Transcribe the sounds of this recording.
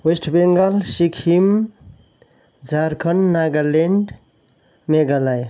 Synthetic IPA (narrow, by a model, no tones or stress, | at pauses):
wesʈʰbeŋɡalsikʰim | d͡ʒaɾkʰənːaɡaleɳɖ | meɡalaj